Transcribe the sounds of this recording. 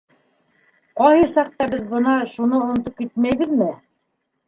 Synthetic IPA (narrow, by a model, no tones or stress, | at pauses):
qɑjhɤsɑq̚t̪ɑbɘðbɤ̆nɑʃunɤŏn̆t̪op̚kit̪̚mæjβɘðmɘ